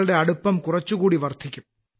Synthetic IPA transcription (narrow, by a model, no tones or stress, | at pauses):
ɭiɽe̞ɐɽupːɐmkʊrɐt͡ɕːukuːɽiʋɐrt̪ʰikʲːum